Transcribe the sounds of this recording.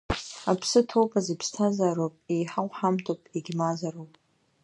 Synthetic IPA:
apʰsɨtʰowpʼazipʰstʰazaɾopʼejħawʷħamtʰʼopʼeɡʲmazarowpʼ

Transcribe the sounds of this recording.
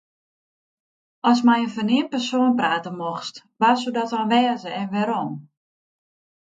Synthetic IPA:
ɔsmɛjənfɔnɪpərsoːnpraːtəmoxst | ʋasudɔtɔnʋɛːəzəɛnʋɛɾom

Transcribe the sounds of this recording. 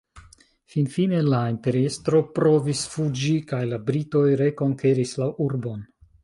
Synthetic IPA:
finfine̞laimpe̞ɾiestɾo̞pɾo̞visfud͡ʒikajlabɾito̞jɾe̞ko̞ŋke̞ɾislawuɾbo̞n

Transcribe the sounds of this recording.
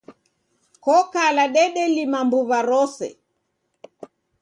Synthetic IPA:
kɔkalaɗɛɗɛlimambuβaɾɔsɛ̰

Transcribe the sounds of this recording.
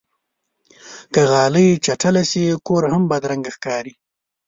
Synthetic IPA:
kəɣɑːləjt͡ʃaʈalasikoɾhambad̪ɾaŋɡaxkɑːɾi

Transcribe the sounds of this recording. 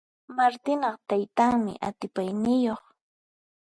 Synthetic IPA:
maɾt̪ɪnɑχt̪ajt̪aŋmɪ̰ʔat̪ɪpajnɪjoχ

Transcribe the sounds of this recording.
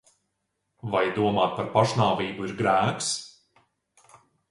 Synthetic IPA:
vajd̪uɔmaːt̪̚paɾpaʃnaːviːbuiɾɡɾæːks

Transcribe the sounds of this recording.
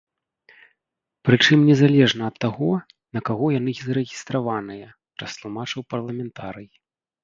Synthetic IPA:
pɾɨt͡ʂɨmnʲɛzalʲɛʐnɐɐt̪ːaɣɔ | nɐkaɣɔjanɨzɐɾɛɣʲist̪ɾavanɨjɐ | pɾɐst̪lˠumat͡ʂɨwpɐrlˠɐmʲɛnt̪aɾɨji

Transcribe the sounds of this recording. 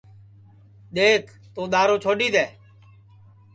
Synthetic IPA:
ɗ̪eːkʰ | t̪oːɗ̪aːɾoːt͡ʃʰoːɗiːd̪eː

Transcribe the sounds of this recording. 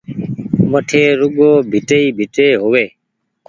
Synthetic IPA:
məʈʰeːɾʊɠoːbʱɪʈeiːbʱɪʈeːɦoʋeː

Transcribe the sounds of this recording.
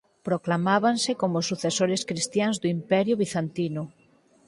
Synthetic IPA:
pɾoklamaβ̞ansekomosuθesoɾeskɾist̪janzðuimpɛɾjuβ̞iθant̪inʊ

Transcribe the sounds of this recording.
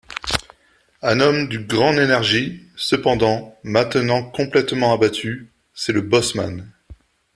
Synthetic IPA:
ɛ̃nɔmd̪ynɡʁɑ̃d̪enɛʁʒisəpɑ̃d̪ɑ̃mɛ̃t̪ənɑ̃kɔ̃plɛt̪mɑ̃abat̪ʰy | sɛləbɔsma̰n

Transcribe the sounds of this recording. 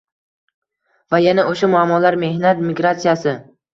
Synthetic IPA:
vajanaoʃamʊamːɒlaɾme̞hnat̪miɡɾat̪sijasɪ

